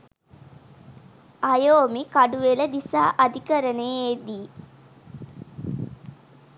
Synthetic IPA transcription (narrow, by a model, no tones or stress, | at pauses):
ʔɐjoːmikɐɖuʋeləd̪isaːʔɐd̪ikəɾɐneːed̪iː